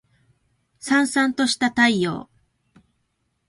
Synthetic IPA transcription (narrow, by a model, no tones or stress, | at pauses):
sãɰ̃sãnt̪o̞ɕi̥t̪at̪aijo̞̰ː